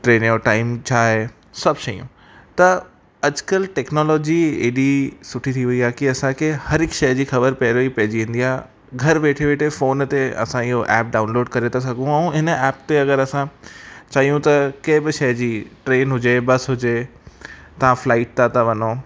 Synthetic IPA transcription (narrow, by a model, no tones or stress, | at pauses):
ʈɾeːnjoʈaːɪmt͡ɕʰaːɦe | sɐbʃɐijṵ̃ | t̪ɐ | ɐd͡ʑkəlʈeːknɔːlɔːd͡ʑiḛːɗisʊʈʰit̪ʰiʋɐiaːɦkiɐsãkʰehɐɾɪkʃɐjd͡ʑiːxɐbəɾpɐːɾoipɐɦɪd͡ʑiʋẽːn̆d̪iaː | ɡʱɐɾʋeːʈʰeʋeːʈʰefoːnt̪eɐ̰sãɪɦoʔɛːp̚ɖaːʊ̃nloːɖkɐɾet̪ʰas̬ɐɡʱũɛ̃ũɦɪnɛːpt̪eɐɡəɾɐsãt͡ɕaːɦijũt̪ɐkɐ̃ɦɪbɪʃɐjd͡ʑiːʈɾeːnɦʊd͡ʑebɐsɦʊd͡ʑe | t̪ɐʋ̤ãflaːɪʈ̚t̪ʰat̪aʋɐnoː